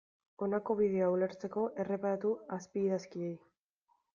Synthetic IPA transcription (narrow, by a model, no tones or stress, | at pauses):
o̞nako̞β̞ið̞e̞aule̞ɾt͡se̞ko̞ʔe̞re̞paɾat̪uaspiːɾaskie̞j